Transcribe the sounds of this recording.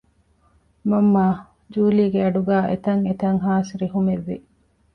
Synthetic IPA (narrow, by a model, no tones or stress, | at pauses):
mɐmːaː | d͡ʒuːliːɡeɐɖuɡæːʔḛt̪ɐŋet̪ɐŋɦaːsɾiɦumeʋːi